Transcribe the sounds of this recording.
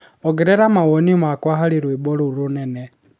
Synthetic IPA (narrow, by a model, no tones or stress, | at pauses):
ɔɡɛɾɛɾamawɔnimakwaɦaliɾwibɔɾuɾunɛnɛ